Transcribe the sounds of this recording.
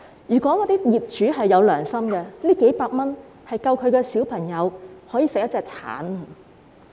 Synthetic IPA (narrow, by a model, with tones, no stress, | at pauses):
jyː˨˩kʷɔː˨˥ŋɔː˨˧t̪iː˥jiː˨p̚t͡ʃyː˨˥ɦɐ˨jːɐ˨˧wlœː˨˩ŋsɐ˥mkɛ˧liː˥ke˨˥jpaː˧k̚mɐ˥n | hɐ˨jkɐ˧wkʰɵ˨˧ɥkɛ˧siː˨˥wpʰɐ˨˩ŋjɐ˨˧whɔː˨˥jiː˧sɪ˨k̚jɐ˥t͡sɛː˧k̚t͡sʰa̰ː˨˥n